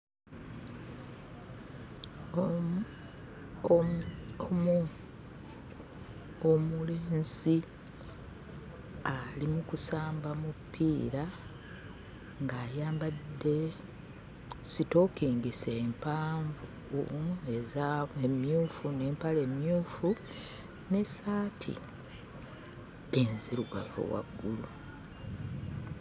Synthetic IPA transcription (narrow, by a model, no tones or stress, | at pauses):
omu | omuleːnzi | alimukusaːmbamupːiːɾa | ŋɡaːjaːmbadːe̞ | sito̞ːkiːŋɡiseːmpaːɱvu | ezaemjuːfune̞ːmpale̞mjuːfu | ne̞saːtʰḭ | enziɾuɡa̰vo̰wa̰ɡːulu